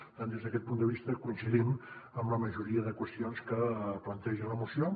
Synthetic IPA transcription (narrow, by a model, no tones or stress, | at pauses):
t̪and̪ezðəkɛt̪punt̪d̪əβist̪əkuinsiðiməmləməʒuɾiəðəkwəst̪ionskəplənt̪ɛʒənləmusio